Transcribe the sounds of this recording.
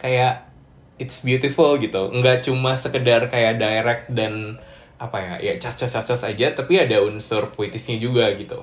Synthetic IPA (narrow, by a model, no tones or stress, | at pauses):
kajaʔ | ɪt̪sbiut̪ifulɡit̪uŋɡaʔt͡ʃumahsəkədarkajaʔdaeɾɛk̚dan | apaja̰ja̰t͡ʃast͡ʃɔst͡ʃast͡ʃɔsad͡ʒat̪apiadaunsʊrpoit̪ɪsɲad͡ʒuɡaɡit̪ṵ